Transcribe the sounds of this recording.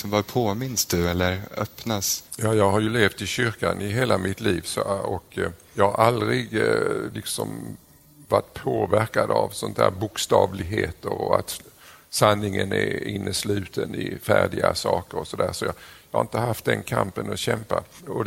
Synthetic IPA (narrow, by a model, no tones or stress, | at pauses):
ɔmvɑpʰoːmɪnsd̪̥ɵɛlːəɾœpnasjɑːjɑːɡɦaɾjɵleːft̪ɪɕʏɾkanɪɦeːlamɪt̪liːvsɔɔkjɑːɡhaɾʔald̪ɾɪɡlɪksɔm | vaʈːpʰoːvæɾkad̪avsɔnt̪ʰæ̰ːɾbʊkst̪ɑːvlɪɡɦeːt̪əɾɔat̪ | sanːɪŋənɛɪnːəslʉ̟ːt̪ʰənɪfæːɖɪɡasɑːkəɾɔsɔd̪æːɾʂɔjɑjɑːhaɾɪnt̪əhaft̪̚d̪ɛnkʰampənɔɕɛmpaɔ